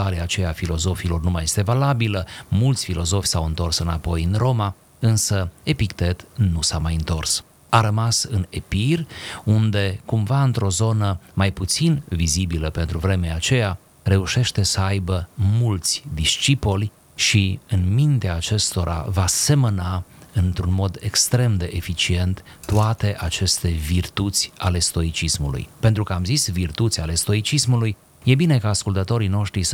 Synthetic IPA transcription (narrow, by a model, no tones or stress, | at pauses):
aɾeat͡ʃe̞jafilo̞zo̞filo̞rnumaje̞st̪e̞valabiləmult̪sʲfilo̞zo̞fʲsawɨnt̪o̞rsɨnapo̞jɨnro̞ma | ɨnsəe̞pikt̪e̞t̪nusamajɨnt̪o̞rs | aɾəmasɨne̞pirund̪e̞kumvaɨnt̪ɾo̞zo̞nəmajput̪sinvizibiləpe̞nt̪ɾuvɾe̞meat͡ʃe̞ja | re̞uʃe̞ʃt̪e̞səajbəmult̪sʲd̪iʃt͡ʃipolʲ | ʃiɨnmint̪eaːt͡ʃe̞st̪o̞ɾʔa̰vase̞mənaɨnt̪ɾunmo̞d̪ekst̪ɾe̞md̪e̞ʔefit͡ʃie̞nt̪ːuat̪e̞ʔat͡ʃe̞st̪e̞virt̪ut̪sʲale̞st̪o̞it͡ʃismṵlṵjpe̞nt̪ɾukəamzisvirt̪ut̪sʲale̞st̪o̞it͡ʃismuluj | je̞bine̞kaːskult̪ət̪o̞ɾino̞ʃt̪ɾis